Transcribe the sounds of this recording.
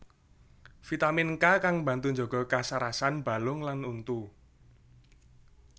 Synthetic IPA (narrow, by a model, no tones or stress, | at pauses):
fit̪amɪnkakaŋmba̤nt̪uɲd͡ʒɔ̤ɡ̥ɔ̤kasaɾasanb̥a̤lʊŋlanunt̪u